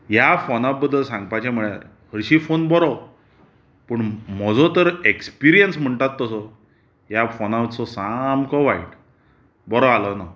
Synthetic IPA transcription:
jafonabəd̪ʱəlsãŋɡpat͡ɕem̤iɭjaɾ | həɾɕiːfonbɔɾɔ | pəɳm̤ɔd͡zɔt̪əɾekspiɾijənsm̤əɳt̪at̪ːəsɔ | ɦjafonawt͡sɔsamkɔʋaiʈ | bɔɾɔalɔna

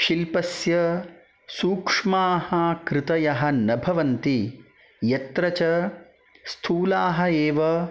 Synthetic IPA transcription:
ʃilpɐsjɐ | suːkʂmaːhɐkɾɪt̪ɐjɐɦɐ̆nɐbʱɐʋɐnt̪i | jɐt̪ɾɐt͡ʃɐ | st̪ʰuːlaːɦɐ̆eːʋɐ

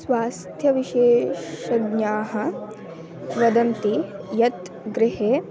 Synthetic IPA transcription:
sʋaːst̪ʰjɐʋiʃeːʃɐɡɲaːɦɐ̆ | ʋɐd̪ɐnt̪ijɐt̪ | ɡɾɪɦeː

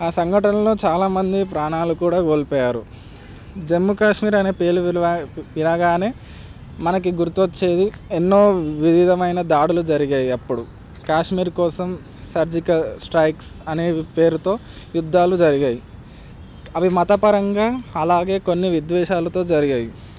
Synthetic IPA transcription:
aːsɐŋɡʱɐʈɐnɐlo̞ːt͡ʃaːlaːmɐnd̪ipɾaːɳaːlukuːɽaːkoːlipɔːjaːɾu | d͡ʒe̞mːukaːʂmiːɾɐne̞ːpe̞ːluʋinɐɡaːne̞ː | mɐnɐkiɡuɾt̪ot͡ʃːe̞ːd̪i | enːo̞ːʋiʋid̪ʱɐmɐjnɐd̪aːɽulud͡ʒɐɾiɡaːjiɐpːuɽu | kaːʂmiːɾkɔːsɐm | sɐɾd͡ʒikɐsʈɾɐjksɐne̞ːpeːɾut̪o̞ː | jud̪ʱːaːlud͡ʒɐɾiɡaːji | ɐʋimɐt̪ɐpɐɾɐŋɡaːɐlaːɡe̞ːko̞nːiʋid̪ʋɛːʃaːlɐt̪o̞ːd͡ʒɐɾiɡaːji

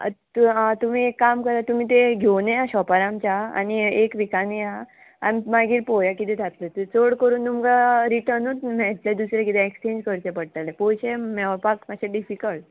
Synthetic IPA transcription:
t̪uat̪um̤iːekːamkəɾat̪um̤ĩːt̪̬eɡʱewnejaɕɔpaɾãmt͡ɕaa̰niekʋikaneja | a̰mimaɡiːɾpojakit̪ɛt̪ʰat̪lət̪t͡soɽkəɾuːnt̪umɡaɾiʈəɾnut̪mɛɭt̪led̪usɾjekit̪ɛ̃ekst͡ɕẽɲd͡ʑkəɾt͡ɕẽpəɽt̪alɛpoɕemɛpakmaɕẽɖifikəɭʈ

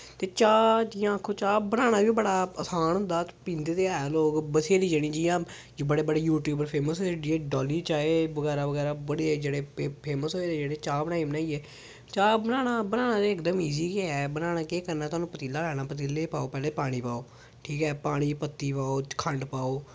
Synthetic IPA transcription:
t̪eːt͡ʃaːd͡ʒɪjãːəkʰːoːt͡ʃaːbənaːɽ̃aːʋibəɽaːəsaːñnd̪aːt̪pĩːnd̪eːt̪eːaːeloːkbəseːd̪iːd͡ʒeɽ̃ĩːd͡ʒijãː | d͡ʒobəɽeːbəɽeːjuːʈjuːbəɾpʰeːməsɦoeiɛːɖɔːliːt͡ʃaːeːʋəɡɛːɾaːʋəɡɛːɾaːbəɽeːd͡ʒeːɽeːpʰeːməsoːeːd̪eːd͡ʒeːɽeːt͡ʃaːbənãːiːbənaːiːɛː | t͡ʃaːbənaːnaːbənaːnaːd͡ʒ̪eːɪkd̪əmiːziːkeɛːbənaːnaːkeːkəɾnaːt̪ʊaːnũːpət̪iːlaːlɛːɽ̃aːpət̪iːleːpaːoːpɛːleːpaːɽ̃iːpaːoː | ʈʰiːkɛːpaːɽ̃iːpət̪ːiːpaːoːkʰəɳɖpaːoː

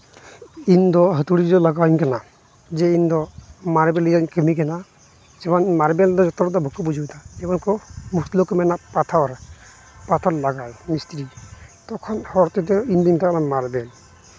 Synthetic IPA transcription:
indɔɦət̪uɽidɔlaɡaiŋkana | zɛindɔmaɾbɛliankəmikɛna | zɛmanmaɾbɛldɔzɔt̪ɔɾɔd̪ɔbʱɔkːɔbud͡ʒʱit̪aɛmankɔmustlokmɛnapat̪ʰaɾ | pat̪ʰɔɾlaɡajnist̪ɾit̪ɔkʰɔnhɔɾt̪itɔindintakanamaɾbɛl

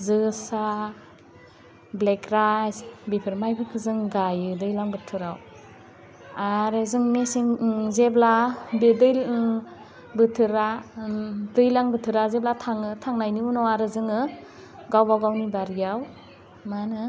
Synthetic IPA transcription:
zɯsa | blekɾajsbipʰɯɾmajpʰɯkʰɯzɯŋɡajɯdɯjlaŋbɯtʰɯɾaw | aɾezɯŋmesiŋzeblabedɯj | bɯtʰɯɾa | dɯjlaŋbɯtʰɯɾazeblatʰaŋɯtʰaŋnajniunɔwaɾɯzɯŋɯ | ɡawbawɡawnibaɾɡijaw | manɯ

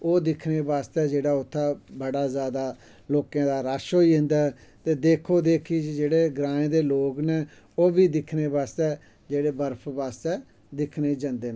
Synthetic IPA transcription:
oːd̪ɪkʰneːbaːst̪ɛːd͡ʒeːɽaːʊt̪ʰːaːbəɽaːzjaːd̪aː | loːkãːd̪aːɾaːʃoːiːɦɪ̃nd̪ɛː | t̪eːd̪eːkʰoːd̪eːkʰiːd͡ʒeːɽeːɡɾãːẽːd̪eːloːkneː | oːbiːd̪ɪkʰneːbaːst̪ɛː | d͡ʒeːɽeːbəɾpʰbaːst̪ɛː | d̪ɪkʰneːd͡ʒãːnd̪eːnː

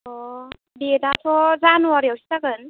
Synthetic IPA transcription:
ɔ | dedatʰɔzanwaɾiawsi̥takɯn

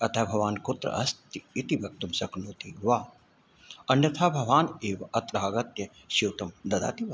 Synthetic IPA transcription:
ɐt̪ʰabʱɐʋaːnkot̪ɾɐ̰ʔɐst̪iit̪iʋɐk̚t̪umsɐknoːt̪iʋaː | ɐnjɐt̪ʰaːbʱɐʋaːneːʋɐʔɐt̪ɾaːɡɐt̪jɐ | ʃiwt̪ɐmd̪ɐd̪a̰ːt̪iʋɐ

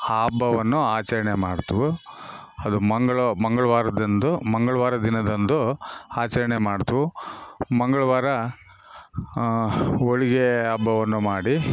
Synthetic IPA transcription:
aːbʱɐʋɐnːuaːt͡ʃɐɾɐɳemaːɽt̪ɐʋu | ɐd̪umɐŋɡɐɭɐmɐŋɡɐɭʋaːɾɐd̪ɐnd̪umɐŋɡɐɭɐʋaːɾɐd̪inɐd̪ɐnd̪uaːt͡ʃɐɾɐɳemaːɽt̪ɐʋumɐŋɡɐɭɐʋaːɾɐ | oɭiɡeabːɐʋɐnːumaːɽi

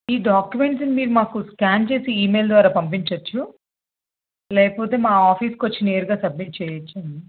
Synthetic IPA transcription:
iːɖaːkjume̞ɳʈsnimiːɾumaːkuskʲaːnt͡ʃe̞ːsiiːmejld̪ʋaːɾaːpɐmp̬iɲt͡ʃɐt͡ʃːu | lɛːkɐpo̞ːt̪e̞ːmaːaːpʰiːskot͡ʃːineːɾuɡaːsɐb̚miʈ̚t͡ʃɛːjɐt͡ʃːɐɳɖi

